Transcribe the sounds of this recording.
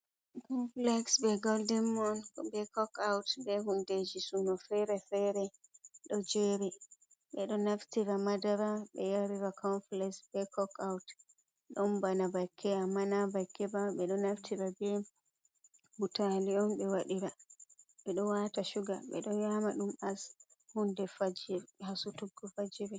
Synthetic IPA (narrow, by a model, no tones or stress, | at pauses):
kɔnflɛksbɛɡɔldɛmːɔnkɔbɛkɔkawtbɛhunded͡ʒisunɔfɛɾɛfɛɾɛɗɔd͡ʒeɾi | ɓɛɗɔnaftiɾamadaɾaɓɛjaɾiɾakɔnflɛksbɛkɔkawt | ɗɔnbanabakʰːɛamːanabakːɛbaɓɛɗɔnaftʰiɾabɛ | butaliɔnɓɛwaɗiɾaɓɛɗɔwataʃuɡa̰ɓɛ̰ɗɔnjamaɗumas | hundɛfad͡ʒhasutuɡɔfad͡ʒiɾɛ